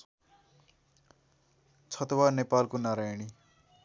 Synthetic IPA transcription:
t͡sʰʌt̪wanepalkonaɾajɽ̃i

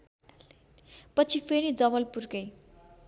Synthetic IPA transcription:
pʌt͡sʰipʰeɾid͡zʌβʌlpurkʌj

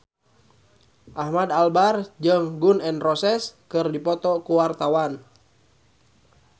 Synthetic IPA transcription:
ʔahmadalbard͡ʒəŋɡunɛnrɔsɛskɨrdipɔt̪ɔkuwart̪awan

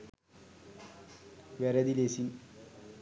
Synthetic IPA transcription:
ʋeɾɐðilesin

